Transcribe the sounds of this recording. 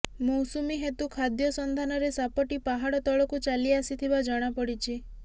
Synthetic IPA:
mowsumiɦet̪ukʰad̪jɔsɔnd̪ʱanɔɾesapɔʈipaɦaɽɔt̪ɔɭɔkut͡ʃaliasit̪ʰibad͡ʒɔɽ̃apɔɽit͡ʃʰi

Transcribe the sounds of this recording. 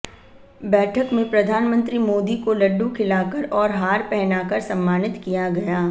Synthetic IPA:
bɛːʈʰəkmẽpɾɐd̪ʱaːnmə̃nt̪ɾimoːd̪ikolɐɖːũkʰɪlaːkɐɾɔːɾɦaːɾpɛɦnaːkɐɾsɐ̃mːaːnɪt̪kijaɡɐjaː

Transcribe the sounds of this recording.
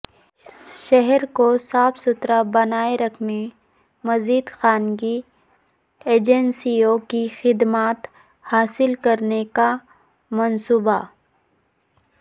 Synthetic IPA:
ʃɛɦɛɾkosaːfsʊt̪ɾabɐnaːeɾɐkʰne | mɐziːd̪xaːnɡi | eːd͡ʒɛnsiõkixɪd̪maːt̪ | haːsɪlkɐɾneka | mɐnsuːba

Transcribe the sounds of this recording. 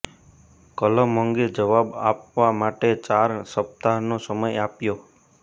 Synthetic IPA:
kələməŋɡed͡ʒəʋaba̰pʋamaʈet͡ʃaɾsəp̚t̪anosəməjapjo

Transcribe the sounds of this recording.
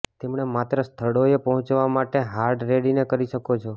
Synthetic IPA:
t̪emɳ̃emat̪ɾəst̪ʰəɽoepəɦʊ̃t͡ʃʋamaʈeɦaɾɖɾeɽinekəɾiʃəkot͡ʃʰo

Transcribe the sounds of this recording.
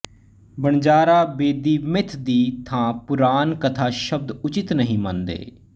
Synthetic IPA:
bəɳd͡ʒaːɾaːbeːd̪iːmɪt̪ʰd̪iːt̪ʰãːpʊɾaːnkət̪ʰaːʃəb̚d̪ʊt͡ʃɪt̪nəɦĩːmə̃nd̪ḛː

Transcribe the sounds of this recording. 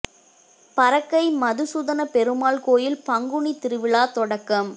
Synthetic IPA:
pɐɾɐkːɐɪmɐðɯsuðɐnɐpɛɾɯmaːlkoːjɪlpɐŋɡʊɳit̪ɪɾɯʋɪɭaːt̪ɔɽɐkːɐm

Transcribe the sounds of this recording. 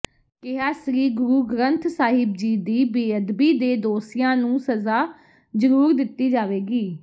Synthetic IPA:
kɪɦaːsɾiːɡʊɾuːɡɾənt̪ʰsaːɦɪb̚d͡ʒiːd̪iːbeːəd̪biːd̪eːd̪oːsɪjãːnũːsəzaː | zəɾuːɾd̪ɪt̪ːiːd͡ʒaːʋeːɡiː

